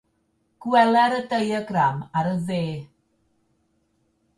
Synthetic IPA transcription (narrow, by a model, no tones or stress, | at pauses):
ɡ̥wɛlˠɛɾədejəɡramaɾəðeː